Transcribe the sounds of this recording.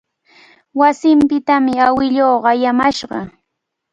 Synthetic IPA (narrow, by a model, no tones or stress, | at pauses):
wasɪmpɪt̪amɪawɪʎoːɢajamaʃɢɑ̰